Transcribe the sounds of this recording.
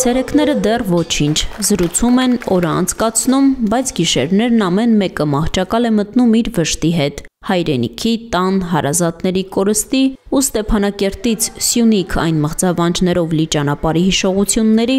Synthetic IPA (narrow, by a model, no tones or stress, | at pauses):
t͡sʰɛɾɛkʰnɛɾəd̪ɛrvɔt͡ʃʰint͡ʃʰzəɾut͡sʰumɛnɔɾəɑ̰nt͡sʰkɑt͡sʰnumbɑjt͡sʰɡiʃɛɾnɛɾnɑmɛnmɛkəmɑht͡ʃʰɑkɑlɛmət̪numiɾvəʃt̪iɦɛt̪ | hɑjɾɛnḭkʰit̪ɑnɦɑɾɑzɑt̪nɛɾikɔɾəst̪iust̪ɛpʰɑnɑkɛɾt̪it͡sʰsjunikʰɑ̰jnməʁd͡zɑvɑnd͡ʒnɛɾɔvlit͡ʃɑn̪ɑpɑɾiɦiʃɔʁut͡sʰjunːɛɾi